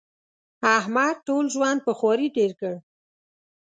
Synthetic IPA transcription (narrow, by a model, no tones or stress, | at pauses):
ahmad̪̚ʈolʒwɑnd̪̚pəxwɑɾiɖeɾkəɽ